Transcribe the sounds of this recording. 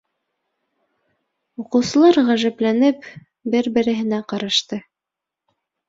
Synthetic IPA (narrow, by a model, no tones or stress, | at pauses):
uqɤ̆wsɤ̆lˠɑɾʁæʒæplænɘp | bɘɾbɘ̆ɾɘ̆ɦɘ̆næqɑɾɑʃt̪ɤ